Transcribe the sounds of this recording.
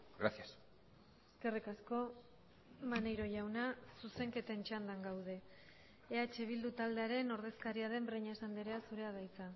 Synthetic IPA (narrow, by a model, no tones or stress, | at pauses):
ɡɾasjas | eskerikasko̞ | manejɾo̞ʝawnasuse̞ŋke̞t̪e̞nt͡ʃand̪aŋɡawð̞e̞ː | at͡ʃe̞β̞ild̪ut̪ald̪e̞aɾe̞no̞ɾð̞e̞skaɾiaðe̞mbɾeɲaesand̪eɾe̞asuɾe̞að̞ajt͡sa